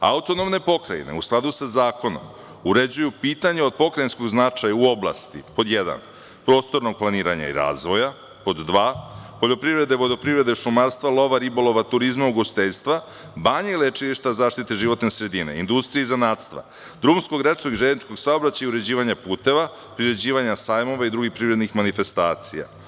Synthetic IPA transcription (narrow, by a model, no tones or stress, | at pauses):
a̰ut̪o̞no̞mne̞po̞kɾa̰ḭnḛusklˠad̪usazaːko̞no̞̰m | uɾed͡ʑujupiːt̪aɲeo̞d̪̚po̞kɾajinsko̞ɡznat͡ʂajauo̞blˠa̰st̪ipo̞d̪jed̪a̰n | pɾo̞ːst̪o̞ɾno̞ɡ̚planiːɾaɲa̰ḭɾa̰ːzʋo̞ja | po̞d̪ːʋaːpo̞ʎo̞pɾivɾe̞d̪e̞ʋo̞d̪opɾivɾe̞d̪eʃumaɾst̪vʋalˠo̞ʋaɾibolˠo̞ʋat̪uɾizmauɡost̪eʎst̪ʋa | baːɲeilet͡ʃiliʃt̪azaːʃt̪it̪eʒiʋo̞t̪nesɾe̞d̪ine̞̰ḭnd̪ust̪ɾijeizanaːt̪st̪ʋa̰ | d̪ɾumunskoɡɾet͡ʃkoɡiʒed̪nit͡ʃko̞ɡsaobɾat͡ɕajuɾe̞d͡ʑiːʋaɲapuːt̪e̞ʋa | pɾiɾe̞d͡ʑiːʋaɲasaːjmo̞ʋaid̪ɾuɡixpɾivɾe̞d̪nixmanife̞st̪aːt̪sija̰